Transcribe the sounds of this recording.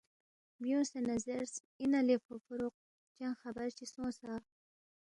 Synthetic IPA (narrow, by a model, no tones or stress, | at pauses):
bjũsenazeɾs | inalefofʊɾoq̚ | t͡ʃãŋxabaɾt͡ʃisõsa